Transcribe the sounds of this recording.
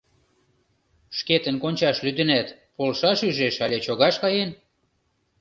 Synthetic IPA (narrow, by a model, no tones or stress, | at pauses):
ʃket̪ə̆nkonʲt͡ɕɑʃlyd̪ə̆næt̪polʃɑʃyʒeʃɑlʲet͡ɕoɣɑʃkɑjen